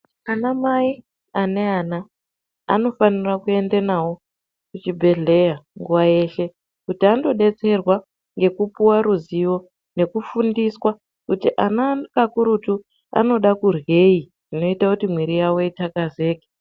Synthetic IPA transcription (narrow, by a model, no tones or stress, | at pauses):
anamai | ane̞aːna̰ː | no̞fanirakue̞ndenawo̞ | kut͡ʃibʱe̞ɮe̞jaŋɡuwaje̞ʃe̞ | kutiando̞ɗe̞t͡se̞rwa | ŋɡe̞kupuwaɾuziwo̞ | ne̞kufundiswa | kutiʔanakakuɾutu | a̰no̞ɗakurɣe̞i | ʐ̥ino̞itakutimwiɾijawo̞itakaze̞ːke̥